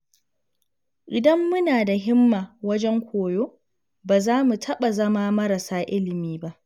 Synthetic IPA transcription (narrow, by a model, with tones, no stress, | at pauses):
ʔɪ˨dɐ˦mːʊ˦naː˨da˨ɦɪ˦mːaː˨wɐ˦d͡ʒɛ˦ŋkʷʰoː˨joː˦ | baː˨zaː˦mu˨tʰɐ˦ɓa˨zɐ˦maː˦mɐ˦ɾɐ˨saː˦ʔɪ˦lɪ˨miː˦ba˦ʔ